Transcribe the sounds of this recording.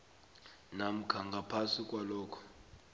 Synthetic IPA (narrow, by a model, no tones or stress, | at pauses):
nam̩kʰaŋɡʱapʰasikʼwalɔːkʰɔ̥